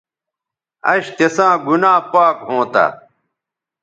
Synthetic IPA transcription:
ɐ̰ɕt̪esãːɡunãːpaːkɦõːt̪a̰

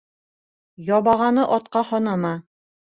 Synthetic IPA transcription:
jɒβɑʁɑnɤʔɒt̪̚qɑhɒnɑmɑ

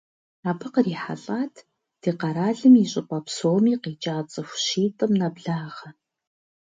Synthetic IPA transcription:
aːbʰɨqəriːħa̰ɬʼaːtʰ | d̥iːqɑɾaːɮɨmiɕʼɪpʷʼɐpsoːmiːqiːt͡ʃʼaːt͡sʼɐxʷʃiːtʼɨmnɐbɮaːʁɐ

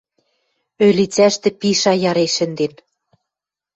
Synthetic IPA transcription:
ølit͡sæʃt̪ɘ̆piʃɑjɑɾeʃɘ̆nd̪en

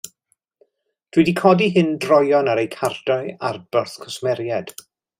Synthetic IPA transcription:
d̥widikʰɔdiɦɨndrɔjɔnaɾejkʰardɔɨa̰rbərθkʰɔsmɛɾjad̥

